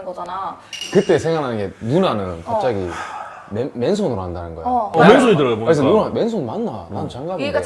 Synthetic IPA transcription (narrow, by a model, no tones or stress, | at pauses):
ɡanakɯt͈e̞sʰe̞ŋaɭɦanɯnɡenunanɯnkap̚t͡ɕ͈aɡi | meme̞ns̬ʰonɯɾoɦandanɯnɡʌj̰mens̬ʰonitɯɾɯbokɯes̬ʰʌnuɾmensʰonmanːanant͡ɕaŋɡamee